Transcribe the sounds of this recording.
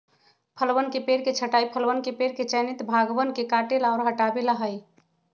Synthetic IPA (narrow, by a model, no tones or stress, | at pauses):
pʰəlwənkepeɾket͡ʃʰəʈajpʰəlwənkepeɾket͡ʃənit̪bʱaɡbənkekaʈelaɔɾɦəʈabelaɦəj